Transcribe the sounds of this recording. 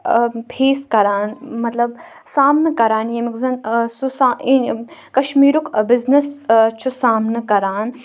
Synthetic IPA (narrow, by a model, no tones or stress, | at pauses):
pʰeːskɐɾaːnmɐt̪lɐb | saːmnɐkɐɾaːnjemikzɐnsusaːikɐʃmiːɾukʰbɪznɐst͡ʃʰusaːmnɨkɐɾaːn